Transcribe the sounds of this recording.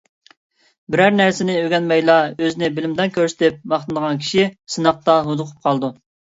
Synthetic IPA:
bɪɾæɾnæɾsɪnɪøɡʲɛnmɛjlˠɑøzɪnɪbɪlɪmd̪ɛnkʲʰøɾsɪ̥t̪ɪp̚mɑχt̪ɨd̪əʁɑnkʲʰi̥ʃisɨnɑq̚t̪ɑɦud̪ʊqʰʊ̥p̚qʰɑlˠd̪u

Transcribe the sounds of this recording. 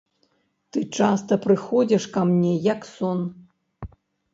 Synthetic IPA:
t̪ɨt͡ʂast̪ɐpɾɨxɔd͡zʲɛʂkamnʲɛjɐksɔn

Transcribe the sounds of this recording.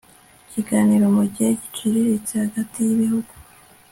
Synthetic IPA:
ciɡaːniɾo̞muɟiheci̥t͡ʃiɾiɾit͡sehaɡatijiβihuɡ̥u

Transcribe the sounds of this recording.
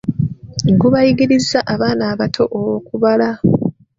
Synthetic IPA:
ŋɡuβajiɡiɾizaʔaβaːnaːβatʰo̞ʔowokuβala

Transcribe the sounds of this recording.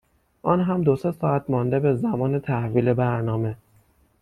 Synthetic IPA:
ʔɒnɦæmd̪osesɒːæt̪ʰmɒnd̪e̞be̞zæmɒːnet̪ʰæhviːle̞bæɾnɒːme̞

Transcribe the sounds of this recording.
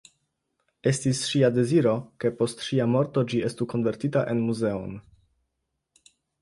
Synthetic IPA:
e̞stisʃiade̞ziɾo̞ke̞po̞stʃiamo̞ɾto̞d͡ʒie̞stuko̞nve̞ɾtitaʔe̞nmuze̞o̞̰n

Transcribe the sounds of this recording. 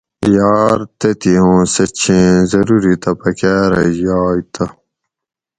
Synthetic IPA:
jaːɾt̪et̪iɦõːsɐt͡ɕʰĩzɐɾuɾit̪ɐpɐkaːɾɐ̰jaːjt̪ɐ

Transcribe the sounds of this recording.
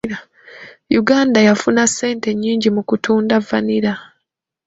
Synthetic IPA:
a | juɡaːndajafunasːe̞ːnte̞ɲːiːɲɟimukutʰuːndavːaniɾa

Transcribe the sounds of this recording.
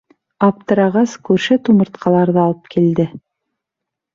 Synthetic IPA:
ɑp̚t̪ɤ̆ɾɑʁɑskʉɾʃɘt̪umɤ̆ɾt̪qɑlˠɑɾðɤɑlˠɤp̚kild̪ɘ

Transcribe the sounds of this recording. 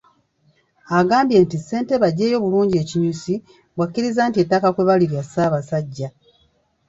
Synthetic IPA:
aɡaːmbje̞ːntisːe̞ːnteβaɟːe̞ːjo̞βuluːɲɟe̞ːciɲusi | βwakːiɾizaːntietːakakwe̞βaliɾjasaːβasaɟːa

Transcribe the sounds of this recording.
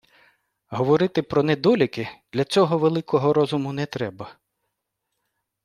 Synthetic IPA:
ɦɔʋɔɾɪt̪ɪpɾɔnɛd̪ɔlʲʊkɪd̪̥lʲɐt͡sʲɔɦɔʋelˠɪkɔɦɔɾɔzʊmʊnɛt̪ɾɛbɐ

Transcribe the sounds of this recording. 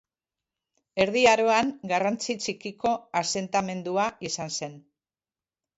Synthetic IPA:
e̞ɾðiaɾo̞aŋɡarant͡sit͡ʃikiko̞ase̞nt̪ame̞nd̪uaisanse̞n

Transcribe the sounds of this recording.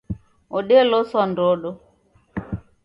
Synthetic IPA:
oɗelosɔndoɗɔ

